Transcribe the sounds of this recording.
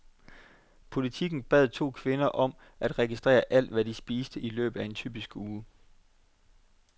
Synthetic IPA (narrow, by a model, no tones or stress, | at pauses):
pʰo̝lit͡sʰiɡ̥n̩b̥ɛ̰ð̰ˠt͡sʰo̝̰ːkʰʋe̝nɐʔɒ̽m | ʔæd̥ʁɛɡ̥isd̥ʁɛ̰ːɐʔæl̰d̥ʋæd̥isb̥iːsd̥əilø̰ːb̥ð̩ˠæe̝nt͡sʰy̰ːb̥isɡ̥uː